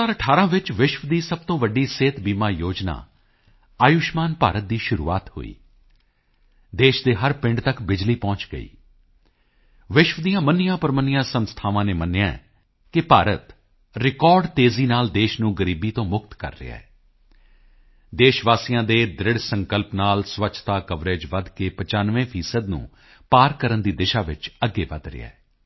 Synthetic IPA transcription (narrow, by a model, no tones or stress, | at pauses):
aːɾəʈʰaːɾãːʋɪt͡ʃʋɪʃʋd̪iːsəb̚t̪õːʋəɖiːseːt̪biːmaːjoːd͡ʒna̰ː | aːjʊʃmaːnpaːɾət̪̚d̪iːʃʊɾṵːa̰ːt̪hʊ̰ḭː | d̪eːʃd̪eːɦəɾpɪ̃ɳɖt̪əkbɪd͡ʒliːpɔ̃ːt͡ʃɡə̰ḭː | ʋɪʃʋd̪ijãːmənːɪjãːpəɾmənɪjãːsənst̪ʰaːʋãːneːmənːejãː | kɪpaːɾət̪ | ɾɪkɔːɾɖt̪eːziːnaːld̪eːʃnũːɡəɾiːbiːt̪õːmʊkt̪kə̰ɾːɪ̰ja̰ːɛː | d̪eːʃʋaːsijãːd̪eːd̪ɾɪɽsəŋkəlpnaːlsʋəːʃʰt̪aːkəʋɾeːd͡ʒʋəd̪keːpət͡ʃaːnʋẽːpʰiːsəd̪nṵ̃ː | paːɾkəɾənd̪iːd̪ɪʃaːʋɪt͡ʃəɡːeːʋəd̪ɾɪ̰ɛ̰ː